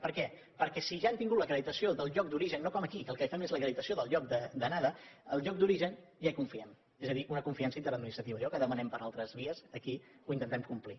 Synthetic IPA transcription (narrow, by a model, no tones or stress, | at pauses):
pəɾkɛ | pəɾkɛsiʒant̪iŋɡut̪ləkɾəðit̪əsioðəlˠʎɔk̚d̪uɾiʒənːokɔməkikəːlˠkəifɛmezləkɾəðit̪əsioðəlˠʎɔk̚d̪əd̪ənaðəəlˠʎɔk̚d̪uɾiʒənʒaikuɱfiɛm | ezəðiʔunəkuɱfiansəint̪əɾəd̪minist̪ɾət̪iβəjɔkəðəmənɛmpəɾalˠt̪ɾəzβiəsəkiuint̪ənt̪ɛmkumpli